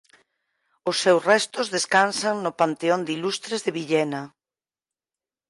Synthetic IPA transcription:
ʊsːɛwsrɛst̪ʊzðeskansaŋnʊpant̪eond̪ilust̪ɾezðɪβiʎɛna

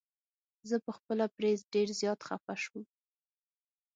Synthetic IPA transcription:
zəpəxpəlapɾezɖeɾzjɑt̪xafaʃum

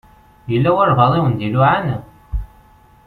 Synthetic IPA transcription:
jəlːæwʊɾvɑðˤiwənd̪iluʕan

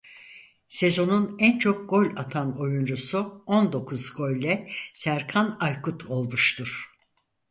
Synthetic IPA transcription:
se̞zo̞nunænt͡ʃʰo̞k̚ɡo̞lʲat̪ʰano̞jund͡ʒusuo̞nd̪o̞kʰuzɡo̞lʲlːɛsæɾkʰanajkʰut̪ʰo̞lˠmuʃt̪ʰuɾ̥

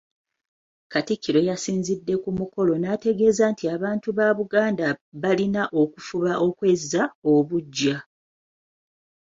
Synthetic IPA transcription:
katikːiɾo̞jasiːnzidːe̞kumuko̞lo̞nate̞ɡe̞ːzantiaβaːntuβaβuɡaːndaβalinaʔo̞kufuβaʔo̞kwe̞zːaoβuɟːa

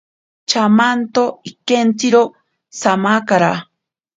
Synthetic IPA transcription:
t͡ʃamant̪oikent͡siɾo | samakaɾa

